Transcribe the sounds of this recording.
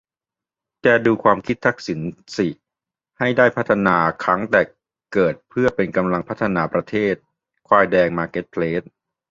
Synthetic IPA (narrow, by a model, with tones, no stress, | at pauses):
t͡ɕɛː˧˩duː˧kʰwaː˧mkʰi˦˥t̪ʰːa˦˥k̚si˩˦nsi˨˩ | ha˥˩jdaː˥˩jpʰa˦˥t̪ʰːa˧naː˧kʰɾa˦˥ŋt̪ɛː˨˩ | kɤː˨˩t̪̚pʰɯ˥˩ɐpe˧nka˧mla˧ŋpʰa˦˥t̪ʰːa˧naː˧pɾa˧t̪ʰeː˥˩t̪̚ | kʰwaː˧jdɛː˧ŋmaː˧ke˦˥t̪̚pʰleː˦˥t̪̚